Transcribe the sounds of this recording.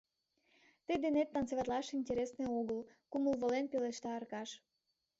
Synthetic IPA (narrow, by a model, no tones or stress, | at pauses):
t̪əd̪enet̪ːɑnt͡seβɑt̪lɑʃinʲtʲeɾesneoɣəlkuməlβolenpeleʃt̪ɑːrkɑʃ